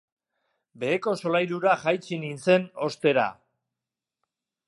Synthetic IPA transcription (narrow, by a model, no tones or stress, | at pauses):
be̞ːko̞so̞lajɾuɾaʝajt͡sinint͡se̞no̞st̪e̞ɾa̰